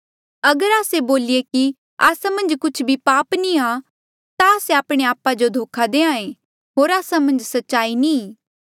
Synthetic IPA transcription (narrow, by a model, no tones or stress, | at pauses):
ɐɡəɾaːseboːlieki | aːsamɐ̃nd͡ʒkʊt͡ʃʰbʱipaːpnĩa | t̪aːseaːpɽ̃eaːpad͡ʒod̪ʱoːkʰad̪eːãːẽ | ɦoːɾaːsamɐ̃nd͡ʒsɐtːʃaːinĩ